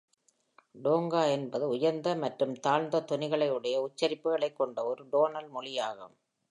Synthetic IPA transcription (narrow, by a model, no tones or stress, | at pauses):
ɖoːŋɡaːɛnbɐðɯʊjɐɾnd̪ɐmɐʈrɯmt̪aːɻnd̪ɐt̪ɔnɪɣɐɭɐɪɯɽɐjɐʊt͡ʃːɐɾɪpːɯɣɐɭɐɪkːɔɳɖɐɔɾɯɖoːnɐlmɔɭɪjaːɣɐ̰